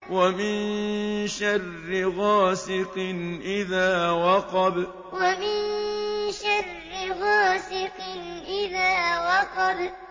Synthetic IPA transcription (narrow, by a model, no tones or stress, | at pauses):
wamɪnʃarːɪɣaːsɪqɪnʔɪðaːwɑqɑb | wamɪnʃarːɪɣaːsɪqɪnʔɪðaːwɑqɑb